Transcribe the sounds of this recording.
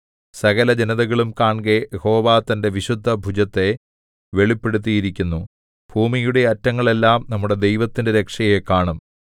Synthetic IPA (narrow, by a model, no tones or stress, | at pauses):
sɐɣɐlɐd͡ʑeniðɐɣɐɭumkaːɳɡejeho̞ːʋaːt̪ːɐnde̞ʋiɕud̪ʱːɐbʱud͡ʑɐt̪ːe̞ | ʋe̞ɭipːe̞ɽut̪̬ːijiɾikʲːunːu | b̥ʱuːmijuɽe̞ɐtːɐŋːɐɭe̞lːaːmnɐmːuɽe̞d̪e̞jʋɐt̪ːindeɾe̞kʂɐje̞kːaːɳum